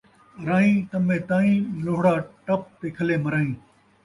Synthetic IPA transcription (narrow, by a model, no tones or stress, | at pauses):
ɾaːĩːt̪ɐmẽːt̪aːĩːloːɦɽaːʈɐp̚t̪eːkʰɐleːmɐɾaːĩː